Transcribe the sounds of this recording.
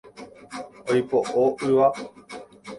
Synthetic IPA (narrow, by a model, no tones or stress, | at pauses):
ojpoʔoɨʋa